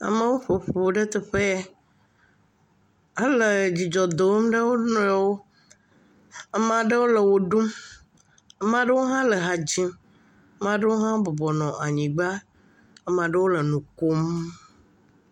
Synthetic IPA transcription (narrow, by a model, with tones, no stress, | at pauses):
a̰˨mə̃˦wo˦ɸo˨ɸo˨ɖə˦t̪ɛ˨ɸe˦ | a˦lə˨d͡ʑi˨d͡ʒɔ˨d̪o˨˦m˦ɖə˦wo˦nɔ̃˨˦˨wo˦ | ɛ˦m˨a˨ɖə˦wo˦lə˨wo˨ɖu˦m | ə˦mã˨ɖə˦wo˦ɦã˦lə˨ɦa˨d͡ʑi˦m˦ | m˦ã˨ɖə˦wo˦ɦã˦bɔ˨bɔ˨nɔ̃˨ʔa˨ɲĩ˨ɡ͡ba˦ | ɛ˦m˨a˨ɖə˦wo˦lə˨nũ˨ko˦m